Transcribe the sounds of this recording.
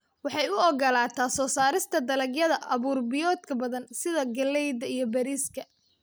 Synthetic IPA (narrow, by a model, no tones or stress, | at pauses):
wɑħɑjʊɔɡɐlaːt̪ʰaːsɔːsaːɾɪst̪ʰɐd̪ɐlɐɡjɐðɐʔɐβuːrbɪjɔːd̪kʰɐbɐðɐnsɪðɐɡɐlɛjd̪ɐijɞbɐɾiːskʰɐ